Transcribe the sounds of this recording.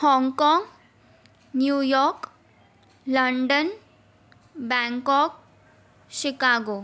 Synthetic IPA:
hɔ̃ŋkɔŋɡ | njujɔɾk | ləɳɖən | bɛ̃ŋkɔk̚ | ʃikaɡo

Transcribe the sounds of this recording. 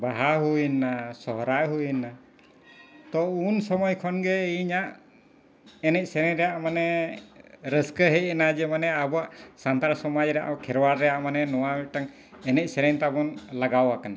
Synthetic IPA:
baɦaɦuinːasɔɦɾajɦujnːa | t̪ɔunsɔmɔjkʰɔnɡɛɲaʔ | ɛnɛc̚ˀsɛɾɛɲɾɛjaʔmanɛ | ɾəskəɦɛj̚ɛnad͡ʒɛmanɛabɔaʔsant̪aɾsɔmad͡ʒɾɛja̰ʔkʰɛɾwaɾːɛjaʔmanɛnɔwamɛʈaŋ | ɛnɛc̚ˀsɛɾɛɲt̪abɔnlaɡawakana

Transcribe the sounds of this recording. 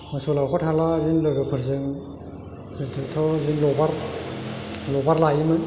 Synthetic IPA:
mɯsɔlawkʰɔtʰalaɾinlɯɡɯkʰɔɾzɯŋ | kɯdɯtʰɔɾinlɔbaɾ | lɔbaɾlajimɯn

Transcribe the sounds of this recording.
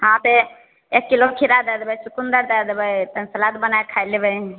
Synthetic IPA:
ɦãp̪e | ekːilokʰiɾad̪ad̪bəjsukund̪əɾd̪ad̪bəjt̪ənsəlat̪̚bənaekʰajlebəj

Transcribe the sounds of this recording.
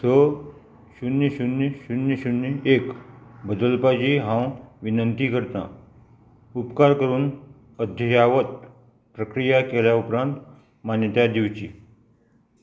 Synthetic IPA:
so | ɕunːəɕunɕunjəɕunːekbəd̪əlpad͡ʑiɦãwʋinənt̪iːkəɾt̪ã̰ | upkaɾkəɾuːn | əd̪ʱjəjaʋət̪̚ | pɾəkɾijakeljaupɾãnt̪ | manjət̪jad̪iʋt͡ɕiː

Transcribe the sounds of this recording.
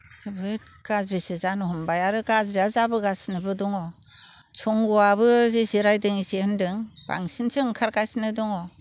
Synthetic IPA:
zɯbɯet̚kazɾisizanɯhumbajaɾɯkazɾiazabɯɡasinɯbɯdɔŋɔ | t͡ʃʰɔŋɡuaβɯzisiɾajdɯŋisehɯndɯŋ | b̥a̰ŋsinsʰɯŋkʰaɾkajsinɯdɔŋɔ

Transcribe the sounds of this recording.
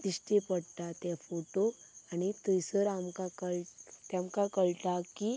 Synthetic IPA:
d̪iʂʈepəɽt̪at̪ɛfoʈoanit̪əjsəɾamkakəɭt̪jãmkakəɭʈ̪aki

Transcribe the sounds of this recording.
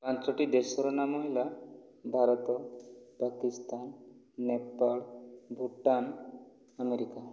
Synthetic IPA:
pãnsɔʈid̪esɔɾɔnamɔɦila | bʱaɾɔt̪ɔpakist̪anː | epaɭbʱuʈːan | ameɾika

